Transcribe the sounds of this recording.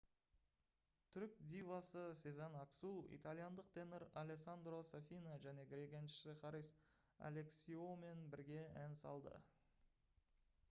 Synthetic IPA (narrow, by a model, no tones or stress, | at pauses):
t̪ʰʏɾk̚d̪ʲivasəsezɑnaksuḭt̪alʲˠijand̪əqt̪ʰenəɾalʲeksand̪rosafʲijnoʒæne̞ɡɾʲeɡʲanʃɪ̥sɪχɑɾis | a̰le̞ksfiome̞nbɪɾɡʲe̞ænsɑ̰lˠd̪ə̰